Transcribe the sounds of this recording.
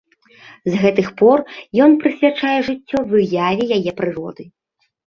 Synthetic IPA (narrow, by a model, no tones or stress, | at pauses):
zɣɛt̪ɨxpɔrjɔnpɾɨsʲvʲat͡ʂajɛʐɨt͡sʲːɔvɨjavʲɛjajɛpɾɨrɔd̪ɨ